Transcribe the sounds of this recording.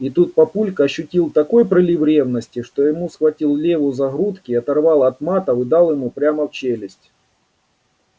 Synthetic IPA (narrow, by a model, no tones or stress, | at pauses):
it̪ut̪̚pɐpulʲkɐɕːʊtʲilˠt̪ɐko̞jpɾɪlʲivɾʲe̞vnəsʲtʲɪʂt̪ojɪmusxvɐtʲilˠlʲevʊzɐɣɾut̪kʲɪːɐt̪ɐrvɑlˠɐt̪mat̪ɐvɨd̪ɑlˠjɪmupɾʲaməft͡ɕelʲɪsʲtʲ